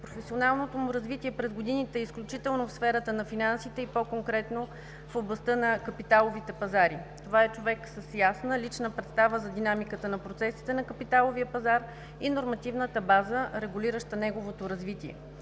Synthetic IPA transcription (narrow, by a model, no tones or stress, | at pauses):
pɾofɛsionalˠnot̪omuɾɐzvit̪iɛpɾɛzɡod̪init̪ɛisklʲut͡ʃit̪ɛlˠnofsfɛɾət̪ənɐfinansit̪ɛipokoŋkɾɛt̪no | foblˠɐst̪ɤnɐkɐpit̪alˠovit̪ɛpɐzaɾit̪ovaɛt͡ʃovɛksəsjasnəlit͡ʃnəpɾɛt̪st̪avəzɐd̪inamikət̪ənɐpɾot̪sɛsi̥t̪ɛnɐkəpit̪alˠoviəpɐzaɾ | inoɾmɐt̪ivnət̪əbazəɾɛɡuliɾəʃt̪ənɛɡovot̪oɾɐzvit̪iɛ̰